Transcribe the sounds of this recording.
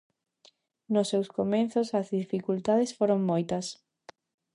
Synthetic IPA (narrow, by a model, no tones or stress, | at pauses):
nʊsːewskomẽnθʊsɐzðifikult̪aðesfoɾoŋmojt̪ɐs